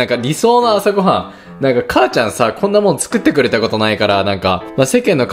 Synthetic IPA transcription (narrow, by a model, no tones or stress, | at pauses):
ãŋkaɾʲiso̞ːnaːsoɡo̞ɦã | nãŋkakʰaːt͡ɕãɰ̃sakʰõ̞nːamonot͡sɨ̥kɯ̟t̪ːe̞kɯ̟ɾe̞t̪ako̞t̪o̞naikaɾanãŋkamase̞kẽ̞nːo̞k